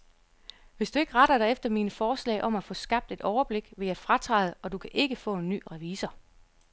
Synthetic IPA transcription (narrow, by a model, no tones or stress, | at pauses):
ʋe̝sd̥ue̝ɡ̥əʁɑɾ̥ɐd̥ɑ̈efd̥ɐmiːnəfɒːslɛ̰ːʔɒ̽mæfɔ̽ːsɡ̥ɑ̈b̥̚d̥e̝d̥ɒʊɐb̥le̝ɡ̥ʋe̝jɑ̈ɪfʁɑt͡sʰʁɑ̈ɪð̩ˠɒ̽d̥ukʰæʔe̝ɡ̥əfɔ̰̽ːe̝nːy̰ːʁɛʋiːsɐ